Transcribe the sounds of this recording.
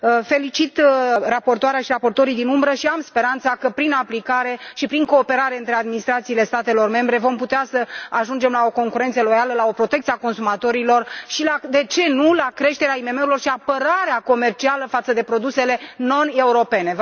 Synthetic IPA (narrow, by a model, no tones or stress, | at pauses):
əfe̞lit͡ʃit̪rapo̞rt̪oaɾeaʃirapo̞rt̪o̞ɾijd̪inumbɾəʃiamspe̞ɾant̪sakəpɾinaplikaɾe̞ʃipɾiŋko̞ːpe̞ɾaɾeɨnt̪ɾe̞ad̪minist̪ɾat̪siːle̞st̪at̪e̞lo̞rme̞mbɾe̞vo̞mput̪easəaʒund͡ʒe̞mlao̞ko̞ŋkuɾe̞nt̪səlo̞jaləlao̞pɾo̞t̪ekt̪siako̞nsumat̪o̞ɾilo̞rʃilad̪e̞t͡ʃe̞nulakɾe̞ʃt̪e̞ɾeaime̞me̞uɾilo̞rʃiapəɾaɾeako̞me̞rt͡ʃialəfat̪səd̪e̞pɾo̞d̪use̞le̞no̞ne̞uɾo̞pe̞ne̞v